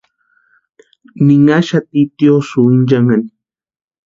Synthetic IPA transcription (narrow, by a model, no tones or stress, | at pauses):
nɪŋaʃat̪it̪josuind͡ʒaŋan